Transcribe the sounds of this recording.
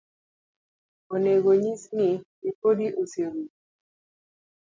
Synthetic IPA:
oneɡoɲisnɪipodiʔoseɾu

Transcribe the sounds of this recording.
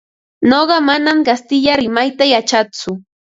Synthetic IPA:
noɢɑmanamɢast̪ɪʎaɾɪmajt̪ajat͡ʃat͡sʊ

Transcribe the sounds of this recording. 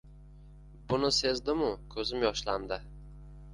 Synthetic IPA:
bʊnɪse̞zd̪ɪmʊkʲʰɵzɪmjɒʃlamd̪ɪ

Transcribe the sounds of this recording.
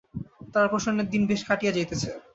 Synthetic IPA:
t̪aɾpoʃonːed̪inbeʃkaʈijad͡ʑajt̪et͡ɕʰe

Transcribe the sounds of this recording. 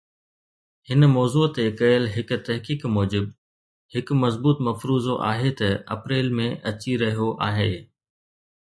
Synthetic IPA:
hɪnmɔːzuːt̪ekɐjəlɦɪk̆t̪ɐɦkiːkmɔːd͡ʑɪb | hɪkmɐzbuːt̪mɐfɾuːzoʔa̰ːɦet̪ɐɐ̰pɾeːlmẽʔɐt͡ɕiɾɐɦijoʔaːɦeː

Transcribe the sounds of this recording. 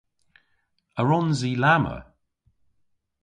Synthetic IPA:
əɹɔnzilamə̰

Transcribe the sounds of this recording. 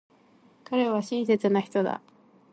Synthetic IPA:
kaɾe̞βaɕĩɰ̃s̬e̞t͡sɨnaçi̥t̪o̞d̪a̰

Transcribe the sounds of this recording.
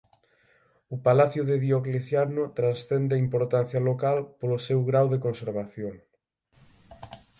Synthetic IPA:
ʊpalaθjʊðeðjokliθjanʊt̪ɾansθɛnd̪ɪaimpoɾt̪an̟θjalokalpolʊsewɣɾawðekonseɾβaθjoŋ

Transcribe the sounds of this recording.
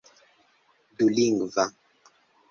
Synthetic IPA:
duliŋɡva

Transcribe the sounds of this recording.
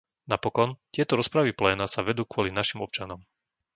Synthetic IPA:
napɔkɔnt̪ɪɛt̪ɔɾɔspɾaʋiplɛːnasaʋɛd̪uːkʊɔlinaʃimɔp̚t͡ʃanɔm

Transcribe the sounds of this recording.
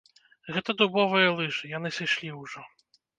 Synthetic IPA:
ɣɛt̪ɐd̪ubɔvɨjɐlˠɨʐɨjanɨsɨjʂlʲiwʐɔ

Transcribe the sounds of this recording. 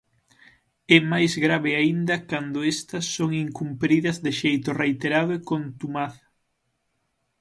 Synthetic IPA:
ɛmajzɣɾaβɪaind̪ɐkand̪ʊɛst̪ɐsːoŋiŋkumpɾiðɐzðɪʃejt̪ʊrejt̪eɾaðʊekont̪umaθ

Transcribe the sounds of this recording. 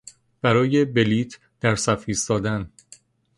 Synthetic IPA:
b̥æɾɒːje̞be̞liːt̪ʰ | d̪̥æɾsæfiːst̪ɒːd̪æn

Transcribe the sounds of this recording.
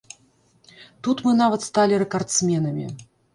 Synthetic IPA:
t̪ut̪mɨnavɐt̪st̪alʲiɾɛkart̪sʲmʲɛnɐmʲḭ

